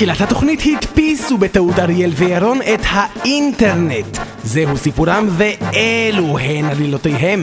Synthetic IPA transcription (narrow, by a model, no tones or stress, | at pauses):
χilat̪hat̪o̞χnithit̪pisube̞t̪audaʁjelvejaɾo̞ne̞t̪hainteʁnet | zeɦusipuɾamve̞eluɦenalilo̞t̪ejɦe̞m